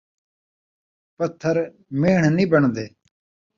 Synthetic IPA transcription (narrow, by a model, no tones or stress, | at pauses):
pət̪ʰːəɾ | meːɳ̤niːbəɳd̪eː